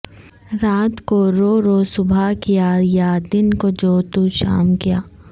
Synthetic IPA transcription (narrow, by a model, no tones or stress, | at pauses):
ɾaːt̪koɾoːɾoːsʊbʱakijaːjad̪ɪnkod͡ʒoːt̪uʃa̰ːmkijaː